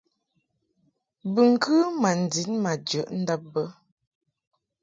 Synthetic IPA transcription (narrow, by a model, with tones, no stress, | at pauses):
bʉ˨ŋ̩˨kʰʉ˦ma˨n̩˨di˨˦nma˨d͡ʒə˨ʔn̩˦də˦p̚bə˦